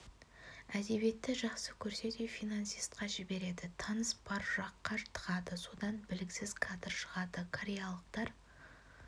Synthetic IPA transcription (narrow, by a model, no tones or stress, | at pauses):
æd̪e̞bje̞t̪ːɪʒɑqsəkʲʰɵɾse̞d̪efijnansijst̪̚qɑʒɪbe̞ɾe̞d̪ɪt̪ʰɑnəsbɑɾʒɑqːɑɾt̪ʰə̥ʁɑd̪əso̞d̪ɑnbɪlɪksɪz̥kʰat̪əɾʃəʁɑd̪əkʰaɾʲejalˠəq̚t̪ɑɾ